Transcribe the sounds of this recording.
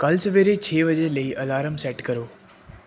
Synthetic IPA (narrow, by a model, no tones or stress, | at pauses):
kɐlsəʋeːɾet͡ɕʰeːʋəd͡ʑeləiːʔɐlaːɾəmsɛːʈkɐɾoː